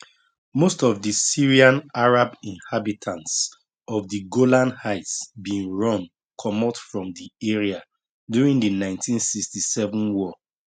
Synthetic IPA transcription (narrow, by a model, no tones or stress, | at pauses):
mostɔvdisiɹiãnaɹabĩnhabitʰãnts | ɔvdiɡolãnhaɪtsbĩŋɹɔ̃n | kʰɔmɔtfɹɔ̃mdiɛɹia | djuɹĩŋdənãɪ̃ntʰĩnsikstisɛvə̃nwɔ